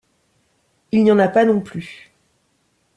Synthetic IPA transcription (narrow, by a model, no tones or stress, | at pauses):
ilnɑ̃napanɔ̃ply